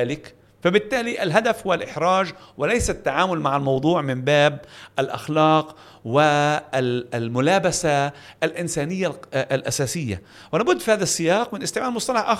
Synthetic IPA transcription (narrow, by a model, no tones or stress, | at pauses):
aːlɪk | fabɪt̪ːaːliʔɪlɦad̪afhʊwalʔɪħɾˤɑːd͡ʒwɪlajsat̪ːaʕaːmʊlmaʕalmɑwd̪ˤuːʕmɪmbaːbʔalʔa̰xlɑːq | wɪ | lmʊlaːbasaʔlʔɪnsaːnɪjːaʔlʔasaːsɪjːa̰ | wɪlaːbʊd̪ːfihaːðasːɪjɑːqmɪnʔɪst̪ɪʕmaːlmʊsˤt̪ˤɑlɑħʔax